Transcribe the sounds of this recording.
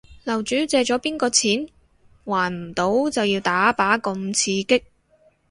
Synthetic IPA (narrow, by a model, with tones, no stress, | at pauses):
lɐ˨˩wt͡ʃyː˨˥t͡sɛː˧t͡ʃɔː˨˥piː˥nkɔː˧t͡sʰiː˨˥n | waː˨˩nm̩˨˩t̪o˨˥wt͡sɐ˨wjiː˧wt̪aː˨˥paː˨˥kʊ˧mt͡sʰiː˧kɪ˥k̚